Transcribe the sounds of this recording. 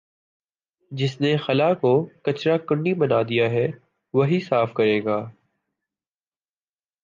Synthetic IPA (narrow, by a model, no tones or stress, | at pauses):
d͡ʒɪsnexɐlakokɐt͡ʃɾakʊɳːibɐnaːd̪ijaɦɛ | ʋɐɦisaːfkɐɾẽːɡaː